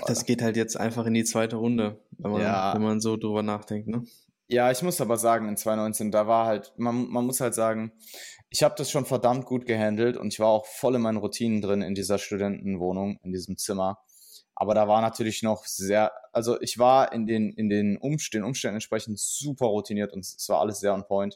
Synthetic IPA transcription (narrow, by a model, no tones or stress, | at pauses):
d̥asɡ̥eːthaltjɛt͡stʔa̰ɪnfaχɪndiːt͡sv̥aɪtəʁʊndəvɛmajaːɛnmanzoːdʁyːbɐnaːχd̥ɛŋk̚tnə | jaːɪçmʊsʔaːbɐzaːɡŋ̩ɪnt͡sv̥aɪnɔʏnt͡seːndaːvaːɐhaltmanmanmʊshaltz̥aːɡŋ̩ʔɪçhaːbədasʃoːnfɛɐdamt̚ɡ̥uːt̚ɡ̥əɦɛndl̩tʊ̰ntɪçv̥aːɐaʊxfɔlɪnmaɪnənʁutʰiːnəndʁɪnɪ̰ndiːzɐʃtudɛntn̩voːnʊŋɪndiːzəmt͡sɪmɐ | ʔa̰ːbɐɾaːvaːɐnatʰyːɐlɪçnɔχz̥eːɐʔalzoʔɪçv̥aːɐʔɪ̰ndeːnɪndeːnʔʊmʃtɛnʔʊ̰mʃtɛndn̩ɛnʃpʁ̥ɛçn̩tz̥uːpʰɐʁutʰiniːɐtʊntsv̥aːɐʔa̰ləsz̥eːɐʊnpʰɔʏnt